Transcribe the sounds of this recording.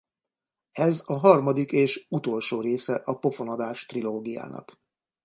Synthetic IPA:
ɛzɒɦɒrmɒd̪ikeːʃut̪o̞lʃoːɾeːsɛʔɒpo̞fo̞nɒd̪aːʃt̪riloːɡija̰ːnɒ̰k

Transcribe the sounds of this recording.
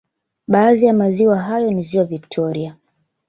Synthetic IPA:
ɓaːðijamaziwaɦajɔniziwaviktʰɔɾia

